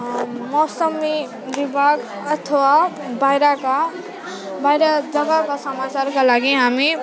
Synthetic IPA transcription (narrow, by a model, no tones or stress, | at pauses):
mɔsəmi | bibʱaɡ | ʌt̪ʰəwa | bajɾaka | bajɾad͡ʒʌɡakasəmat͡ʃaɾkalaɡiɦami